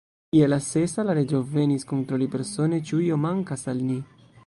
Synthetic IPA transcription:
jelase̞salaɾe̞d͡ʒove̞niskont̪ɾolipe̞ɾso̞ne̞t͡ʃiujomaŋkasalni

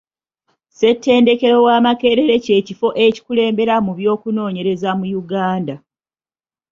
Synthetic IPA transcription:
se̞tːe̞ːnde̞ke̞ɾo̞waːmake̞ːɾe̞ɾe̞ce̞ːcifo̞ʔe̞ci̥kule̞ːmbe̞ɾamuβjo̞ːkuno̞ːɲe̞ɾe̞zamujuɡaːnda

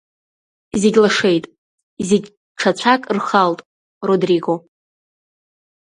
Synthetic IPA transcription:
izɪɡʲlaʂe̞jtʼ | ziɡʲ | ʈ͡ʂʰat͡ɕʷʰakʼrχaltʼ | rodriɡo̞

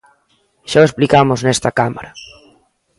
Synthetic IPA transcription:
ʃaesplikamoznɛst̪akama̰ɾa

